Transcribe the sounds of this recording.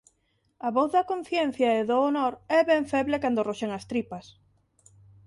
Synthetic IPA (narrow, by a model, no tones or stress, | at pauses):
ɐβɔθðɐkon̟θjɛn̟θjɐeðoːnoɾɛβɛɱfɛβlekand̪oroʃeŋɐst̪ɾipɐs